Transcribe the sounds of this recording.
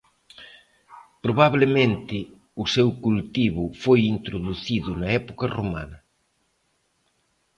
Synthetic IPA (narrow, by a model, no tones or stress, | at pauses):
pɾoβaβlemẽnt̪ɪ | ʊsewkult̪iβʊfojint̪ɾoðuθiðʊnɐɛpokɐroma̰nɐ